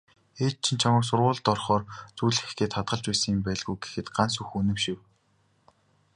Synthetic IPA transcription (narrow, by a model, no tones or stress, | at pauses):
eːt̪̚t͡ɕʰĭnt͡ɕʰamə̆ks̬ʊrʁʊːɮt̪ɔrχɔːrt͡sujɮxɡeːt̪ʰχat̪ɢə̆ɮt͡ɕpæːsə̆ŋjɪmpæːɮɣujɡe̥xɘ̆t̪ɢans̬uxunɘ̆mʃɪ̆w